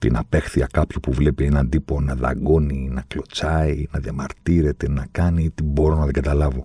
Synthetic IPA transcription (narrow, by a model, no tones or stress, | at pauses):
t̪ḭnɐpe̞xθiɐkɐpçopuvle̞peenɐnd̪iponɐðɐ̰ɡo̞ninɐklo̞t͡sɐinɐðjɐmɐɾt̪iɾe̞t̪e̞nɐkɐniit̪ibo̞ɾo̞nɐðeɡɐt̪ɐlɐvo̞